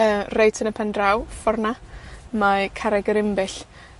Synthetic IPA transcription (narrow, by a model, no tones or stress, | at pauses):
əːrejtʰənəpʰandrawfɔrnamakʰaɾɛɡəɾɪmbɪɬ